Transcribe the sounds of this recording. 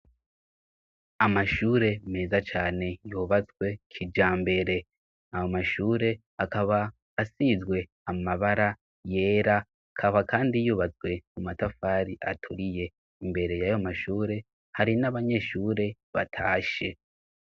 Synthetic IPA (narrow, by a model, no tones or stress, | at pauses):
amaʃuːɾe̞me̞ːzat͡ʃaːne̞juːβat͡sɡwe̞kʰid͡ʒaːmbe̞ɾe̞ | ajomaʃuːɾe̞ | akaβaː | sizɡwe̞ | amaβaɾa | je̞ːɾa | kʰaβakaːndijuːβat͡sɡwe̞mumatafaːɾiʔa̰tʰuɾije̞ | imbe̞ɾe̞jajo̞maʃuːɾe̞ | haɾinaβaɲe̞ʃuːɾe̞ | βa̰tʰaːʃe̞